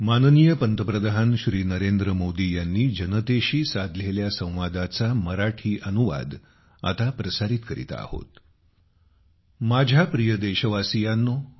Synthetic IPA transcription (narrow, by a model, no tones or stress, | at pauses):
mannijəpənt̪əpɾəd̪aɦənɕɾiːnəɾend̪ɾəmod̪iːjanːiːd͡ʑənət̪eɕiːsad̪ʱleljasə̃w̃ʋad̪at͡saməɾaʈʰiːʔənuʋa̰d̪ | a̰t̪apɾəsaɾiːt̪kəɾḭt̪a̰a̰ho̰t̪ | mad͡ʑʱapɾijəd̪eɕəʋasijanːɔ